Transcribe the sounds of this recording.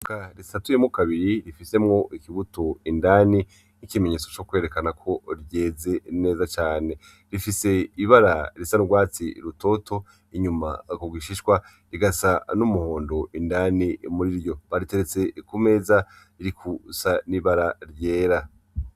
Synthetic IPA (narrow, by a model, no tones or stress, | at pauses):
kaɾisatujemŋukaβiɾiɾifise̞mŋo̞ʔikiβutoindani | nikime̞ɲe̞ːt͡so̞t͡ʃo̞kwe̞ɾe̞kanakʰo̞ɾje̞ːze̞ne̞ːzat͡ʃaːne̞ | ɾifise̞iβaɾaɾisanuɡwaːt͡sḭɾuto̞tʰo̞ | iɲuma̰kuɡwiʃiʃkwa | ɾiɡasanumuhoːndo̞indanimuɾiɾjo̞βaɾite̞ɾet͡se̞kume̞ːza | iɾikʰusaniβaɾaɾje̞ːɾa